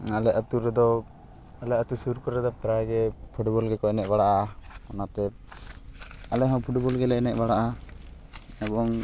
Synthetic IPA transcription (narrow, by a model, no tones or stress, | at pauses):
alɛat̪uɾɛd̪ɔ | alɛʔat̪usuɾkɔɾɛd̪ɔpɾaɡɛpʰuʈbɔlɡɛkɔɛnɛt̪̚baɽaʔakɔnat̪ɛ | alɛɦɔ̃wpʰuʈbɔlɡɛlɛɛnɛ̰t̪ʔ̚baɽaʔa | ɛbɔŋ